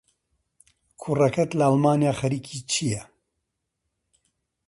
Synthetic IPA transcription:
kʰurɐkʰɐt̪lɐalmaːnijaːxɐɾiːkʰiːt͡ʃʰijɛ

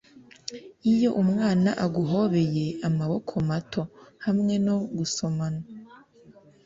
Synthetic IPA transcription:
ijo̞ʔumŋaːnaʔaɡuɦo̞βe̞je̞amaβokʰo̞matʰo̞hamŋe̞no̞ɡuso̞mana

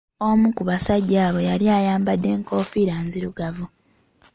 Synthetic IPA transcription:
o̞mukuβasaɟːaːβo̞jaljaːjaːmbadːe̞ːŋko̞ːfiɾaːnziɾuɡavu

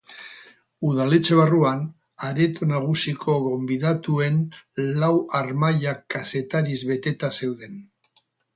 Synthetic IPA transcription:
uðalet͡seβ̞aruan | aɾet̪onaɣ̞usikʰo̞ɣo̞mbiðat̪ue̞nlawaɾmaʎakːase̞t̪aɾizβe̞t̪e̞t̪ase̞wðe̞n

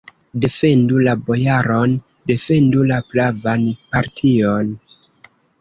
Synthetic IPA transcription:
de̞fe̞ndulabo̞jaɾo̞n | de̞fe̞ndulaplavanpaɾtʰio̞n

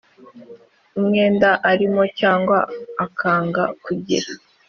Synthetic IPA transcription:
umŋeːndaʔaɾimo̞caːŋɡwa̰ːkʰaːŋɡa̰kuɟḭɾa

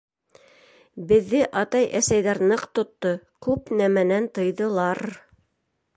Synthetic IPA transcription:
bɘ̆ðːɘʔɑt̪ɑjʔæsæjðæɾnɤqt̪ŏt̪ːokʉpnæmænænt̪ɤ̆jðɤ̆lˠɑɾ

